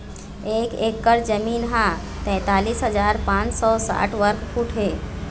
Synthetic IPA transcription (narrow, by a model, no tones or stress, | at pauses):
ekekːəɾd͡ʒəmiːnɦã | t̪ɛ̃ːt̪aːliːsɦəd͡ʒaːɾpãt͡ʃsɔsa̰ʈʰʋəɾkpʰuʈʰɦe